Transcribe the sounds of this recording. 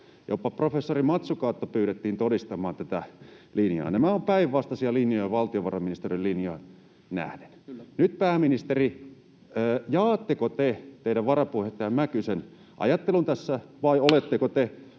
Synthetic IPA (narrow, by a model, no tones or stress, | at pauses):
jo̰pːɑprofesːorimɑt̪sukɑˑːt̪ːopyːɾet̪ːiːnt̪odist̪ɑmˑɑːnt̪æt̪ælinjɑ̰ːnæmæompæiʋʋɑst̪ɑsiɑlinjojɑʋɑlt̪ioʋɑrɑminist̪erillinjɑ | næ̰hnennyt̪̚pæːminist̪eri | əːjɑːt̪ːekot̪et̪eidæʋʋɑrɑpuhet̪ːɑjɑmækysen | ʔɑ̰jɑt̪ːelunt̪æsːæʋɑiolet̪ːekot̪e